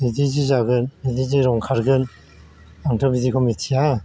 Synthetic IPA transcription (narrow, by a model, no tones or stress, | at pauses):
edizizaɡɯnediziɾɔŋkʰaɾɡɯn | aŋtʰɔbitikʰɔmitʰija